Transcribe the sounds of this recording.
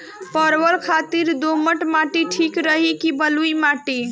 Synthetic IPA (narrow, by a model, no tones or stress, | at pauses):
pəɾwəɾkʰat̪iɾd̪oməʈmaʈiʈʰikɾəɦikibəlujmaʈi